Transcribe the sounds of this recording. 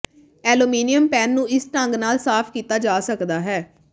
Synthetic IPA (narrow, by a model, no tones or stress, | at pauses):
ɛːluːmiːnɪjəmpɛːnːũːɪsʈəŋɡnaːlsaːpʰkiːt̪aːd͡ʒaːsəkd̪aːɦɛː